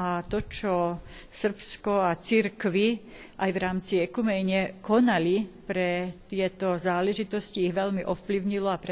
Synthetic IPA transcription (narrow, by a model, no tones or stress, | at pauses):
at̪ɔt͡ʃɔsr̩pskɔat͡siɾkʋi | ʔajʋɾaːmt͡siɛkumɛɲɪɛkɔnalipɾɛt̪ɪɛt̪ɔzaːlɛʒit̪ɔsciːɣʋɛʎmiʔɔfpliʊɲilɔapɾɛ